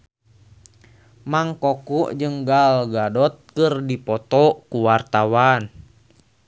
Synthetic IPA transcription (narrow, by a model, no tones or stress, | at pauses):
maŋkɔkuʔd͡ʒɨŋɡalɡadɔt̪̚kɨrdipɔt̪ɔkuwart̪awan